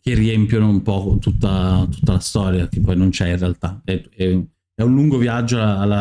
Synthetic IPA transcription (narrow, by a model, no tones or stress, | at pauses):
k̟eriempjonoumpɔt̪ut̪ːat̪u̥t̪ːalast̪ɔːɾjak̟epːɔjnont͡ʃɛinrealt̪aɛɛ | ɛunluŋɡoviad͡ʒːoalːlːa